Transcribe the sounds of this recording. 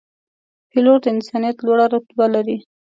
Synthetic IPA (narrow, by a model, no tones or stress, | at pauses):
piloɾd̪əɪnsɑnijat̪lwaɽaɾʊt̪balaɾi